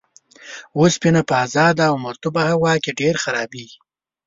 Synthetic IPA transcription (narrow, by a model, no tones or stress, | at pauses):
ospinapəazɑd̪aːwmʊɾt̪ʊbahawɑkeɖeɾxaɾɑbi